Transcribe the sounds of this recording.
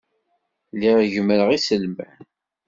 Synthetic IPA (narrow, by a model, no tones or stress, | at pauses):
liʁʝəmːəɾəʁisəlmæn